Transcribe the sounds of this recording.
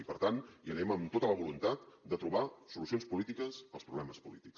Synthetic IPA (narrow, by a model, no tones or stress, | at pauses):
ipəɾt̪aniənɛməmt̪ot̪ələβulunt̪at̪d̪ət̪ɾuβ̞asulusionspulit̪ikəzəlˠspɾuβlɛməspulit̪iks